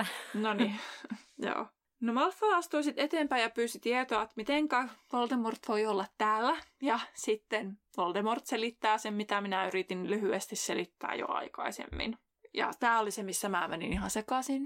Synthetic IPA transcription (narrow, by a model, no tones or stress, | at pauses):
nonijo̰ː | nomɑlfːɑːɑst̪uisit̪et̪eːmpæijɑpyːsit̪iet̪oɑet̪mit̪eŋkæʋold̪emort̪ʋoiolːɑt̪tæːlːæjɑsit̪ːenʋold̪emort̪selit̪ːæːsemmit̪æminæyɾit̪inlyhyest̪isselit̪ːæ̰ːjo̰ɑ̰ikɑ̰isḛmːḭn | jɑ̰t̪æːolisemisːæmæ̰ːmænḭnihɑnsekɑsin